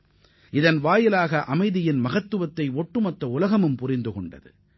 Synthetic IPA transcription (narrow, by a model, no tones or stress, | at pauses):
ʔɪðɐnʋaːjɪlaːɣɐʔɐmɐɪðɪjɪnmɐɣɐt̪ːɯʋɐt̪ːɐɪoʈːɯmɐt̪ɾɐʊlɐɣɐmɯmpʊrɪnd̪ɯkɔɳɖɐ̰ðɯ̰